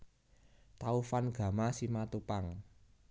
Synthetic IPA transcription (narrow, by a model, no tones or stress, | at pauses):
t̪aufanɡ̥a̤masimat̪upaŋ